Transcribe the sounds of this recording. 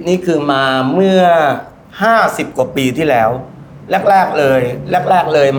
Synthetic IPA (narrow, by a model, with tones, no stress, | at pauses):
niː˦˥kʰɯː˧maː˧mɯ˥˩ɐ | haː˥˩si˨˩p̚ku˨˩əpiː˧t̪ʰiː˥˩lɛː˦˥w | lɛ˦˥˩k̚lɛː˥˩k̚lɤː˧jlɛ˦˥˩k̚lɛː˥˩k̚lɤː˧j